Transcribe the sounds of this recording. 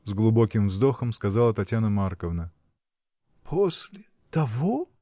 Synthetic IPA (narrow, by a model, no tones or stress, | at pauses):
zɡlˠʊbo̞kʲɪmvzd̪o̞xəmskazalˠət̪ɐtʲjanəmarkəvnə | pʰosʲlʲɪ | t̪ɐvo